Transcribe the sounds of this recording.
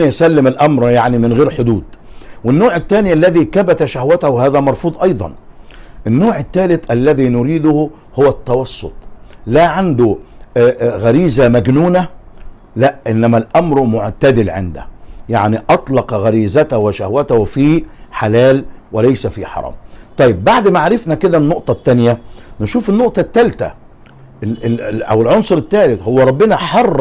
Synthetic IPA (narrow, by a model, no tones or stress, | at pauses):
ʔnæʔsælːɪmɪlʔæmɾjaʕnimɪnɣeːɾħʊd̪uːd̪wɪnːoːʕɪt̪ːæːniʔælːæðiːkæbæt̪æʃæhwæt̪æhwhæːðæmɑɾˤfuːd̪ˤʔɑjd̪ˤɑ̰nʔɪnːoːʕɪt̪ːæːlɪt̪ʔælːæðiːnʊɾiːd̪ʊhʊ | hʊwæt̪ːɑwɑsˤːo̰t̪ˤlæʕand̪ʊ | ɣæɾiːzæmæɡnuːnæ | læʔʔɪnːæmælʔæmɾmoʕt̪æd̪ɪlʕḛnd̪æ̰jaʕniʔɑt̪ˤlɑqɑɣæɾiːzæt̪æwɪʃæhwæt̪æwfiːħalæːlwɪlæjsæfiħɑ̰ɾˤɑ̰ːmt̪ˤɑjːɪbːaʕd̪mæʕaɾɪfnækɪd̪ænːoʔt̪ˤɑt̪ːænjænɪʃuːfɪnːoʔt̪ˤɑt̪ːælt̪æ̰ | ʔæ̰wɪlʕonsˤʊɾɪt̪ːæːlɪt̪howːæɾˤɑbːɪnæħɑrˤː